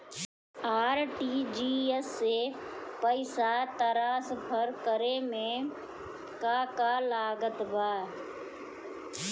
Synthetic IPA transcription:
aːɾʈiːd͡ʒiːesːepəɪsat̪əɾaːsbʱəɾkəɾemẽ | kakalaːɡət̪baː

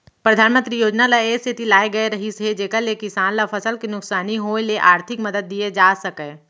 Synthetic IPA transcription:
pɾəd̪ʱaːnmə̃nt̪ɾijoːd͡ʒnalaeːst̪ʰɪt̪ilaːeɡɐeɾɐɦised͡ʒeːkəlekɪsaːnlafʰɐsəlkinʊksaːniɦoːeleʔaːɾt̪ʰɪkmɐd̪əd̪̚ːied͡ʒaːsɐkẽ

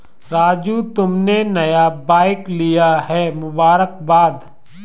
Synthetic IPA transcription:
ɾaːd͡ʒut̪ʊmnenɐjabaːɪklijaɦɛmʊbaːɾək̚baːd̪

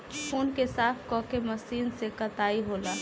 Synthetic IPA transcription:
ʊnkesaːfʰkɔ̃ːkemɐsiːnsekɐt̪aːiɦoːlaː

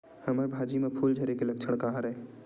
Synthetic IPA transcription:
hɐməɾbʱaːd͡ʒimepʰuːld͡ʒʱəɾekelɐk̚t͡ʃʰəɽ̃kaɦaɾɛe

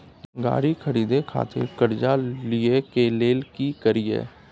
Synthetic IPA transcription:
ɡa̰ːɾikʰəɾiːd̪ekʰa̰ːt̪ʰɪ̰ɾkɐɾd͡ʒaliekeleːlkikəɾiḛː

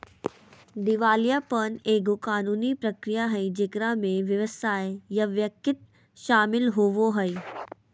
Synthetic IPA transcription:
d̪ɪʋaːljapɐneːɡʊkaːnuːnipɾɐkɾijaɦɐĩd͡ʒekɾamẽʋjɐʋəsaːejɐʋjɐkɪt̪̚ | ʃaːmɪlɦoʋoɦɐi

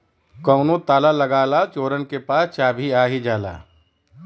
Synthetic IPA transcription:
kɔːʊnõt̪aːlaləɡaːlat͡ʃoːɾənkepaːst͡ʃaːbʱiaːɦid͡ʒaːla̰ː

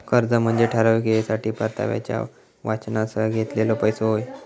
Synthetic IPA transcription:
kəɾd͡zəm̤əɳd͡zeʈʰəɾaʋiɡeesaʈiːpəɾt̪ʰa̰ʋja̰t͡ɕja̰ | ʋat͡ɕnasəɡʱet̪lelopəjsoɦoj

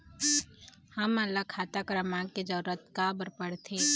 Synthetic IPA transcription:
hɐmɐlːakʰaːt̪akɾəmãːɡked͡ʒəɾuɾət̪kabəɾpəɽt̪ʰeː

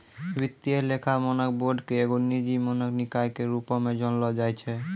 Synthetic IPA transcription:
bit̪ːielekʰamɔnɔk̚boɖkeeɡunːid͡ʒimɔnɔknikajkeɾupɔmed͡ʒɔnlɔd͡ʒajt͡ʃʰe

